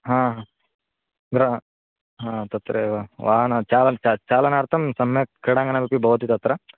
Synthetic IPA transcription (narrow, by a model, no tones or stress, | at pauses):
ɦãːɦã | ɡɾa | ɦãːt̪ɐt̪ːɾɐʋaʋaːnat͡ʃaːlɐt͡ʃat͡ʃaːlɐnaːɽt̪ɐmsɐmjɐkeɽaːŋɡɐnabipːibʱɐʋɐt̪it̪ɐt̪ːɾɐ